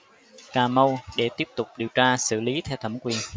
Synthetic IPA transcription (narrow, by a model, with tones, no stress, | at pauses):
kaː˨˩mə˧wɗe˧˩t̪i˦˥p̚t̪ʊ˨˩k͡p̚ɗi˨˩əwt͡ɕaː˧sɨ̰˧˩li˨˦t̪ʰɛ˧wt̪ʰə˧˩ŋ͡mkwi˨˩ə